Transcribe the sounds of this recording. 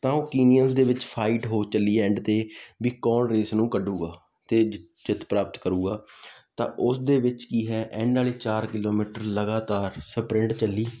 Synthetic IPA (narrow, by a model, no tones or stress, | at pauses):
t̪ãːoːkiːnijənsd̪eːʋɪt͡ʃpʰaːɪʈɦoːt͡ʃəlːiːɛ̃ːɳɖt̪eːʋiːkɔːnɾeːsnũːkəɖuːɡaː | t̪eː | d͡ʒɪt̪ʰpɾaːpət̪kəɾuːɡaːt̪ã̰ːʔʊsd̪eːʋɪt͡ʃkiːɦɛːʔɛ̃ːɳɖaːliːt͡ʃaːɾkɪloːmiːʈəɾləɡaːt̪aːɾsəpɾɪ̃ɳɖt͡ʃəlːiː